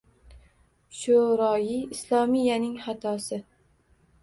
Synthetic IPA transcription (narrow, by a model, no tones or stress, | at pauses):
ʃoɾɒjiɪslˠɒmijːanɪŋhat̪ʰɒsɪ